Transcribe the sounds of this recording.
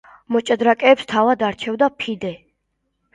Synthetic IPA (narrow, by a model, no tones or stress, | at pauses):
mɔt͡ʃʼad̪ɾakʼɛːpst̪ʰavad̪aɾt͡ʃʰɛvd̪apʰid̪ɛ